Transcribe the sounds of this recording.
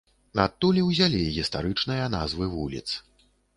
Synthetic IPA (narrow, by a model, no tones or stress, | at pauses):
nat̪ːulʲiwzʲalʲiɣʲist̪aɾɨt͡ʂnɨjɐna̰zvɨvulʲḭt̪s